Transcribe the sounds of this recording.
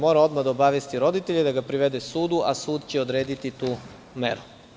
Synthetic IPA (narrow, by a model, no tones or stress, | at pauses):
mo̞ːɾao̞d̪mad̪aobaʋjest̪iɾo̞d̪it̪e̞ʎed̪aɡapɾiʋe̞d̪esuːd̪uʔa̰suːd̪t͡ɕeod̪ɾeːd̪it̪it̪uː | mḛɾu